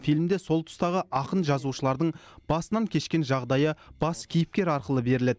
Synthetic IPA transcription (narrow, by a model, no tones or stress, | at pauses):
fijlmd̪e̞so̞lˠt̪ʰʊ̥st̪ɑʁəʔɑqənʒɑzuʃəlˠɑɾd̪əɴb̥ɑsənɑŋkʲʰe̞ʃkʲe̞nʒɑʁd̪ɑjəb̥ɑskʲʰijɪp̚kʲe̞ɾɑɾqəlˠəbe̞ɾɪle̞d̪